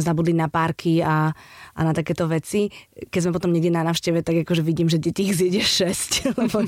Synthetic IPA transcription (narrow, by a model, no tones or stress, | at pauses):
zabud̪linapaːɾkʰiaʔa̰nat̪akɛːt̪ɔʋɛt͡sikɛɟzmɛpɔt̪ɔmɲɛɡɟɛnanaːʊʃcɛʋɛt̪aɡakɔʒɛʋiɟiːmʒɛɟɛciːɣzɪjɛɟɛʃɛsclɛbɔ